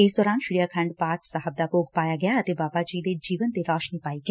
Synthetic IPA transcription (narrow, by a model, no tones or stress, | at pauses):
ɪsd̪ɔːɾaːnʃɪɾijaːkʰə̃ɳɖpaːɾʈsaɦəb̚d̪aːpoːɡʰpaːjaːɡɪjaːət̪eːbaːbaːd͡ʒiːd̪eːd͡ʒiːʋənt̪eːɾɔːʃniːpaːiːɡeː